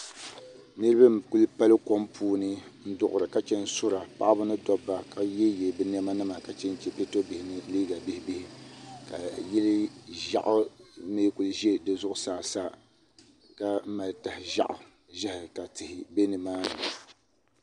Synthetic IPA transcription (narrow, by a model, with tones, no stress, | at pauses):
nɨ˦ɾɨ˦bɨ˦m˨ku˦lpa˦lɨ˦ko˦mpʰuː˦nɨ˦n̩˦dʊ˨ʔʊ˨ɾɨ˨ka˦t͡ʃɛ˦n̩˦sʊ˦ɾa˨pa˦ʔbɨ˦nɨ˦dɔ˦bːa˨ka˨jɛ˦jɛ˨bɨ˦n˦ɛ˦ma˦nɨ˦ma˨ka˨t͡ʃɛ˦n˦t͡ʃɛ˨pe˦to˦bi˨hɪ˦nɨ˦liː˦ɡa˨bi˦hɪ˦bi˦hɪ˨˦ka˨jɛ˦lʒa̰˦ʔʊ˦meː˦ku˨lʒɛ˦dɨ˨zʊ˦ʔʊ˦saː˨sa˦ | ka˦m̩˦ma˨lta˨hɪ˨ʒa̰˦ʔʊ˨ | ʒɛ˦hɪ˨ɾɨ˨ka˨tɪ˨hɪ˨be˦nɨ˨maː˦n˨